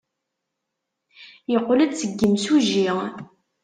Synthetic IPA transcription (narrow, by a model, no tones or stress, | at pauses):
jəqːləd̪t͡sːəɡːəmsuʒi